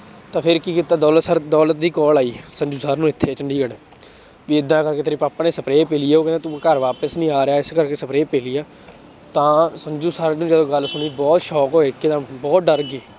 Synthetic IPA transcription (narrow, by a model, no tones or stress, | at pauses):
t̪ãːpʰɪɾkiːkɪt̪aːd̪ɔːlət̪səɾd̪ɔːlət̪̚d̪iːkɔːlaːiːsənd͡ʒuːsaːɾnũːɪt̪ʰːeːt͡ʃəɳɖiːɡəɽ | ʋiːɪd̪ːãːkəɾkeːt̪ʰəɾẽːpaːpaːneːsəpɾeːpeːliːeːoːkɛ̃nẽːt̪ũːkəɾʋaːpəsnĩːaːɾejaːɪskəɾkeːsəpɾeːpeːliːaː | t̪ãːsənd͡ʒuːsaːɾnũːd͡ʒəd̪õːɡəlsʊɳiːbɔːt̪ʃɔːkɦoːeːkːɪd̪ãːbɔːt̪̚ɖəɾɡeː